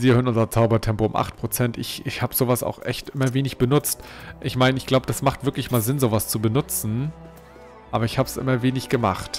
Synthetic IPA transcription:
viːɐhøɐnʊnzɐt͡saʊbɐtʰɛmpoʊmʔa̰χt̚pʁ̥ot͡sɛntɪçɪçhaːbəzoːvasa̰ʊxʔɛ̰çtʔɪmɐveːnɪçb̥ənʊt͡stʔɪçmaɪnəɪçɡ̥laʊbəd̥asmaχtv̥ɪɐklɪçmaːlzɪnzoːvast͡subənʊt͡sn̩ | ʔa̰ːbɐɪçhaːbsʔɪ̰mɐveːnɪçɡ̥əma̰χt

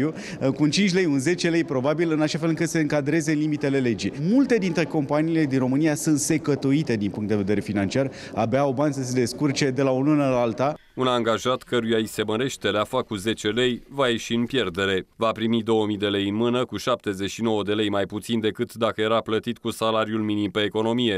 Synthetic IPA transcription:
u | kunt͡ʃint͡ʃʲle̞junze̞t͡ʃe̞le̞jpɾo̞babilɨnaʃafelɨŋkɨt̪se̞ɨŋkad̪ɾe̞zenlimit̪e̞le̞le̞d͡ʒimult̪e̞d̪int̪ɾe̞ko̞mpaniːle̞d̪inro̞mɨnijasunt̪se̞kət̪oit̪e̞d̪inpuŋkt̪d̪eve̞d̪e̞ɾe̞finant͡ʃiar | abeaobanʲsəse̞d̪e̞skurt͡ʃe̞d̪e̞laolunəlalt̪a | unaŋɡaʒat̪kəɾujaise̞məɾe̞ʃt̪e̞leafakːuze̞t͡ʃe̞le̞jvaje̞ʃiɨnpje̞rd̪e̞ɾe̞vapɾimid̪o̞wəmid̪e̞le̞jɨnmɨnəkuʃap̚t̪e̞zeʃino̞wəd̪e̞le̞jmajput̪sind̪e̞kɨt̪d̪akəje̞ɾaplət̪it̪kusalaɾijulminimpe̞ːko̞no̞mije̞

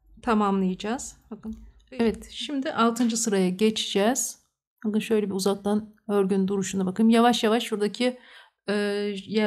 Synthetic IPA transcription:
t̪ʰamamlˠɯjɯd͡ʒaːz̥bakɯn | ɛvɛt̪ʃimd̪ɪʔalˠt̪ʰɯnd͡ʒɯsɯɾajaɟet͡ʃʰi̥d͡ʒɛz̥ | hakɯnʃø̞jlʲɛbiuzak̚t̪ʰanøɾɟynd̪uɾuʃunabakʰɯjmjavaʃjavaʃbuɾd̪acʰiː | ja

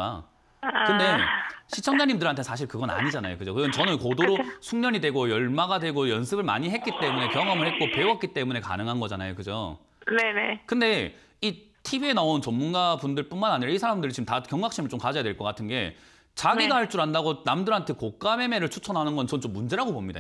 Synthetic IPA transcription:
a̰ | kɯnde̞ɕʰit͡ɕʰʌŋd͡ʑaɲimdɯɾɦantʰesʰaɕ̬ʰiɭkɯɡʌna̰ɲid͡ʑana̰jo̰kɯd͡ʑokɯiʌnt͡ɕʌnɯnkodoɾosʰuŋɲʌɲidwe̞ɡojʌɭmaɡadwe̞ɡojʌnsʰɯbɯɭma̰ɲiɦe̞t̚k͈it͈e̞mune̞kjʌŋʌmɯɭhe̞t̚k͈opwe̞wʌt̚k͈it͈e̞mune̞ka̰nɯŋɦanɡʌd͡ʑanajokɯd͡ʑo̰ | ne̞ne̞kɯnde̞ | itʰibienaont͡ɕʌmːunɡabundɯɭp͈unmanaɲiɾʌisʰaɾamdɯɾit͡ɕiɯmtakjʌŋɡak̚ɕ͈imɯɭt͡ɕ͈omkad͡ʑʌjadweɭk͈ʌk͈atʰɯnɡe̞̰ | t͡ɕaɡiɡahaɭt͡ɕ͈uɾandaɡonamdɯɾɦantʰe̞kok͈ame̞me̞ɾɯɭt͡ɕʰut͡ɕʰʌnɦanɯnɡʌnt͡ɕʌnnt͡ɕomːund͡ʑe̞ɾaɡobomɲida̰

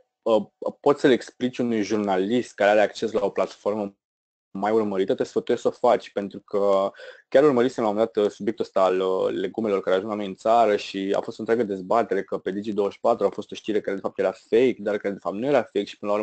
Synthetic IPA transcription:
əpo̞t̪səleksplit͡ʃʲunujʒurnalist̪̚kaɾeaɾeakt͡ʃe̞slao̞plat̪fo̞rmə | majurməɾit̪ət̪əsfət̪ujessofat͡ʃʲpe̞nt̪ɾukʰəkʲaɾurməɾit̪senamund̪at̪subjekt̪uəst̪aːlːe̞ɡume̞lo̞rkaɾeaʒuŋslanojɨnt̪saɾəʃia̰fost̪ont̪ɾʲaɡəd̪e̞zbat̪e̞ɾe̞kəpe̞d̪id͡ʒid̪o̞wəʃpat̪ɾuafo̞st̪o̞ʃt̪iɾe̞kaɾee̞fap̚t̪jeɾafejk̚d̪arkaɾed̪e̞fap̚t̪nuje̞ɾafe̞jkʃipɨnəlaurm

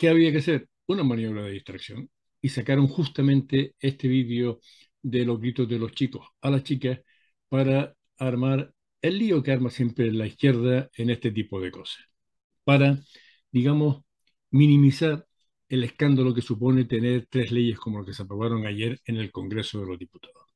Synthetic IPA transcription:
ke̞aβ̞iakese̞ɾ | unamãnjo̞β̞ɾaðeiht̪ɾaksjo̞̰ŋ | isakaɾo̞ŋxust̪amẽ̞nt̪e̞e̞st̪e̞βiðeo̞ | d̪e̞lo̞ɦɣɾit̪o̞ɦðe̞lo̞ht͡ʃiko̞salaht͡ʃikah | paɾaː | ɾmaɾ | e̞lːio̞keaɾmasje̞mpɾe̞laihkje̞ɾðae̞ne̞st̪e̞t̪̬ipo̞ð̞e̞ko̞sḁh | paɾa | d̪iɣamo̞s | mĩnĩmisaɾ | e̞le̞hkand̪alok̬e̞supo̞ne̞t̪e̞ne̞ɾt̪ɾe̞ɦle̞ʝe̞hkomolohke̞seapɾo̞β̞aɾo̞ŋaʝe̞ɾe̞ne̞lko̞ŋɡɾe̞soðe̞lo̞zðiput̪aðoh

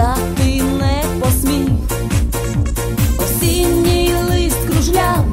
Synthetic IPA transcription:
a | t̪ɪ | nɛ | pɔsmʲix | ɔwsʲinʲːijlˠɪskɾuʒlʲa

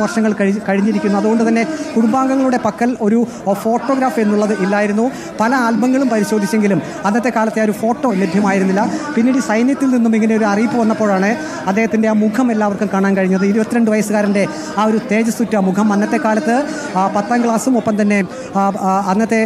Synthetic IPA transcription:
ʋɐrʂɐŋːɐɭkɐkɐɻiɲːiɾikʲːunːuɐðuɣo̞ɳɖɨt̪ɐnːe̞kuɽumbaːŋɡɐŋːɐɭuɽe̞pɐkːɐlo̞ɾu | fo̞ːʈːo̞ːɡɾaːfe̞nːuɭːɐðɨʔilːaːjiɾun̪ːu | pɐlɐaːlbɐŋːɐɭumpɐɾiɕo̞ːd̪ʱit͡ɕːe̞ŋɡilum | ɐnːɐt̪ːe̞kaːlɐt̪ːeoɾufo̞ːʈːo̞ːlebʱjɐmaːjiɾunːilːɐpinːiːɽisɐjnjɐt̪ːilninːumiŋːɐne̞oɾuɐriːpːɨʋɐnːɐpːo̞ːɻaːɳɨ | ɐd̪ːehɐt̪ːinde̞aːmukʰɐmelːaːʋɐrkumkaːɳaːnkɐɻiɲːɐðɨiɾubɐt̪ːiɾeɳɖɨʋɐjɐsɨɣaːɾɐɳde̞ | aːo̞ɾut̪e̞ːd͡ʑɐst̪utːɐmukʰɐmɐnːɐt̪ːe̞kaːlɐt̪ːɨ | pɐt̪ːaːnkɭaːsumopːɐmt̪ɐnːe̞ | ɐnːɐt̪ːe̞

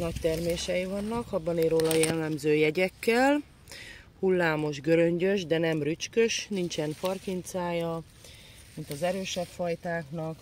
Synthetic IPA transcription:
nɒct̪ɛrmeːʃɛjivɒnːɒkɒbːɒneːɾoːlɒjɛlːɛmzøːjɛɟɛkːɛl | hulːaːmo̞ʒɡø̞ɾø̞ɲɟø̞ʒd̪ɛnɛmryt͡ʃkø̞ʃnint͡ʃɛnfɒrkint̪saːjɒ | mint̪ɒzɛɾøːʃɛpfɒjt̪aːknɒk

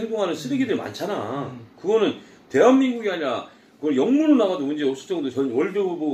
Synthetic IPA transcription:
eŋdoŋɦanɯnsʰɯbiɡidɯɭma̰nt͡ɕʰanakɯɡʌnɯn | te̞ɦanːinɡuɡiaɲiɾa | kɯɡʌɭjʌŋmuɾonaɡadomund͡ʑeʌps͈ɯ̥t͡ɕ͈ʌŋdot͡ɕʌnwʌɭd͡ʑobubo

